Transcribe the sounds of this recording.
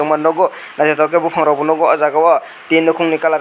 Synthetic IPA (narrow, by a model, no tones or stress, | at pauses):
ɔmanːɔɡɔnazatʰak̬ebupʰaŋɾawbunɔɡɔazaɡawa | tenːukʰuŋnikala